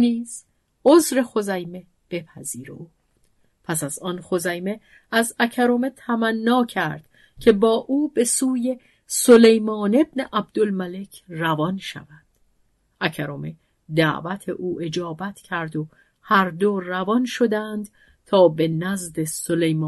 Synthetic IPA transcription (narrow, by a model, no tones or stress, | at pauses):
niːz̥ | ozɾe̞xo̞zæjme̞ | b̥e̞pʰæziːɾḛuː | pʰæsæzɒːnxo̞zæjme | æzæcʰæɾome̞t̪ʰæmænːɒːcʰæɾd̪̥ | cʲʰe̞bɒːʔuːbe̞suːje̞ | so̞le̞jmɒːne̞bneʔæb̚d̪̥olmæle̞cʰrævɒnʃæ̰vænd̪̥ | ʔæcʰæɾome̞ | d̪æ̰ʔvæt̪ʰe̞̰ʔuːʔe̞d͡ʒɒːbæt̪ʰcʰæɾd̪o | hæɾd̪orævɒnʃo̞d̪ænd̪̥ | t̪ʰɒːbe̞næzd̪e̞solejmː